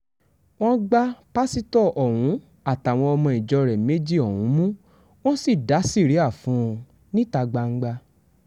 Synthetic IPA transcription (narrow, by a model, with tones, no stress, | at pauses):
w̃ɔ̃˦ɡ͡ba˦pa˦si˦tɔ˦˨ʔɔ˨wũ˨˦ | a˦˨ta˨w̃ɔ̃˧ɔ˧mɔ̃˧i˨d͡ʒɔ˧ɾɛ˨me˦d͡ʒi˦˨ɔ˨wũ˨˦mũ˦ | wõ˦si˦˨da˨˦si˦˨ɾi˨˦a˦˨fũ˦˧ | nĩ˦ta˧ɡ͡ba˧ŋ̩˦ɡ͡ba˧